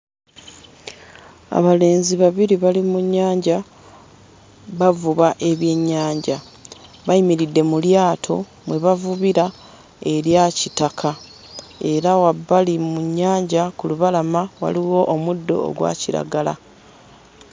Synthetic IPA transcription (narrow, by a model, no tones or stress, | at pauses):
a̰βale̞ːnziβaβiɾiβalimuɲːaːɲɟa | βavuβaʔe̞βje̞ɲːaːɲɟa | βaimiɾidːe̞muljaːtʰo̞̰ | mwe̞βavuβiɾa | e̞ɾjacitakʰa | e̞ɾawabːalimuɲːaːɲɟakuluβalamawa̰liɣo̞ʔomudːo̞̰ːɡwa̰ːciɾa̰ɡala̰